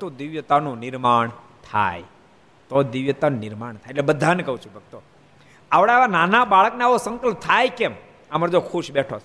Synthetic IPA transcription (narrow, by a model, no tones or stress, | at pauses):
t̪od̪iʋjət̪anũnɪɾmaɳ | t̪ʰa̰j | t̪od̪iʋjət̪anũnɪɾmaɳ̃t̪ʰajeʈlɛbəd̪ʱːanekəɦũt͡ʃʰubʱək̚t̪o | aʋɽeaʋananabaɭəkneaʋosə̃ŋkəlp̚t̪ʰajkem | aməɾd͡ʒokʰuʃbɛʈʰo